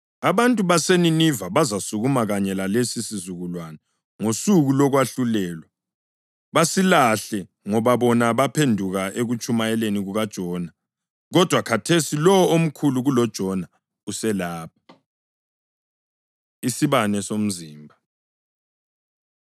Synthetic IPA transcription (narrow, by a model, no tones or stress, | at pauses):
aβantʼuβaseninivaβazasuɣumaɣaɲɛlalesisizuɣulwana | ŋosuɣulɔɣwaɬulɛːlwa | βasilaɬɛ | ŋɔβaβɔnaβapʰendʱuɣaʔeɣut͡ʃʼumaɛleniɣuɣad̥ʒ̥ʱɔna | ɣɔd̥ʱwakʰatʰesilɔwom̩kʰuluɣulɔd̥ʒ̥ʱɔna | usɛlaːp̚ʰḁ | isiβanɛsom̩ziːmbʱa